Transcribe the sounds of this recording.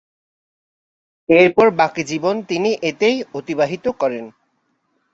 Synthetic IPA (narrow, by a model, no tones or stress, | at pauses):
eɾpɔɾbakid͡ʑibont̪iniʔet̪ejot̪ibaɦit̪okɔɾen